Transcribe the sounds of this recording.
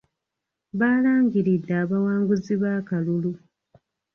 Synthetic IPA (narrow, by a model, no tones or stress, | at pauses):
βaːlaːŋɡiɾidːaːβawaːŋɡuziβaːkalulu